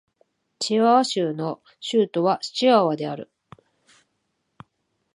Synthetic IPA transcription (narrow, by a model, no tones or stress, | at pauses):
t͡ɕiβaβaɕɨːno̞ | ɕɯːt̪o̞βaɕi̥t͡ɕiaβad̪e̞aɾɯ̟̰